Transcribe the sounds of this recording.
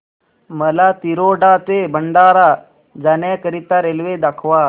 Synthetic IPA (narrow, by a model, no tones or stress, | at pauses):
məlat̪iɾoɖat̪ebʱəɳɖaɾa | d͡zanjakəɾit̪aɾelʋed̪akʰʋa